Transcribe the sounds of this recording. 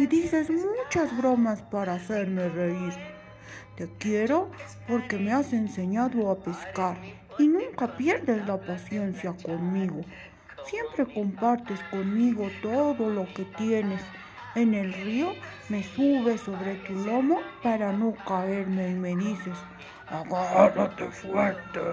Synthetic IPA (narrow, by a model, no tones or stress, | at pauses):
sid̪ise̞smut͡ʃazβɾo̞maspaɾaːseɾme̞reiɾ | t̪e̞kje̞ɾo̞ | po̞ɾke̞me̞ase̞nse̞ɲaðoapeskaɾ | inũŋkapje̞ɾðeslapasje̞nsjako̞nmiɣo̞ | sje̞mpɾe̞ko̞mpaɾt̪e̞sko̞nmiɣo̞t̪oðo̞lo̞ke̞t̪je̞ne̞s | ene̞lrio̞ | me̞suβe̞so̞βɾe̞t̪ulo̞mopaɾano̞kae̞ɾmeime̞ðise̞s | aɣaɾat̪efweɾt̪e